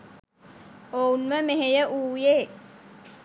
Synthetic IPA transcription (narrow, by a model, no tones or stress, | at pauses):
ounməmeɦejəʔuːjeː